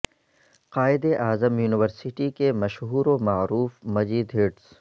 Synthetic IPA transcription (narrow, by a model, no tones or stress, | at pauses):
qaːɪd̪eʔaːzəmjuːnɪʋəɾsɪʈikemɐʃɦuːɾomaːɾuːfmɐziːd̪ɦeːɖs